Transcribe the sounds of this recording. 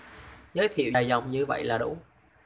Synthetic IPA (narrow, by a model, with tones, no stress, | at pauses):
zəː˨˦jt̪ʰḭ˧˨wjza˨˩wŋ͡mɲɨ˧və̰˧˨jlaː˨˩ɗṵ˧˥